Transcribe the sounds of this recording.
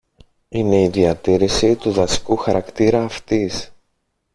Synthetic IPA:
ine̞iðiɐt̪iɾisit̪uðɐsi̥kuxɐɾɐkt̪iɾɐːft̪is

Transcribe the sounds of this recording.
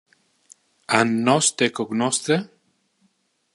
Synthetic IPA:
anːɔst̪ekoknɔst̪ɾe

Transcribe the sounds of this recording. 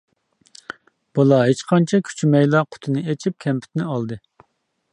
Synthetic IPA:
b̥ɑlˠɑɦet͡ʃqʰɑnt͡ʃʰɑkʲʰy̥t͡ʃʰymɛjlˠɑqʰʊ̥t̪ʰɨnɨet͡ʃʰip̚kʲʰɛmpʰy̥t̪nɪɑlˠd̪ɨ

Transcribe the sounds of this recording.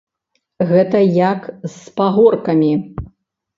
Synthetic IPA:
ɣɛt̪ɐjɐkspaɣɔrkɐmʲi

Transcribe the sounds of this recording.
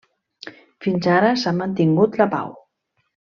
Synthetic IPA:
finzaɾəsamənt̪iŋɡut̪ləpa̰w

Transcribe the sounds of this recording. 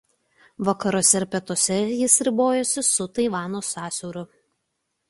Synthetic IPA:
ʋɐkɐɾoːsʲɛɪɾpʲɛt̪oːsʲɛjɪsɾʲɪboːjɛsʲɪsʊt̪ɐɪʋɑːnoːsɑːsʲɔʊɾʊ

